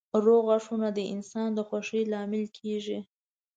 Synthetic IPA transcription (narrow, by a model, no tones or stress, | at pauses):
ɾoɣaʂunad̪əʔɪ̰nsɑnd̪əxwaʂəlɑmɪlkʰeʒi